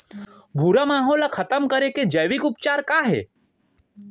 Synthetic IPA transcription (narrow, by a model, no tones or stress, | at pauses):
bʱuɾamaːɦoːlakʰɐt̪əmkɐɾeked͡ʒɐjʋikʊp̚t͡ʃaːɾkaːɦɛ̰ː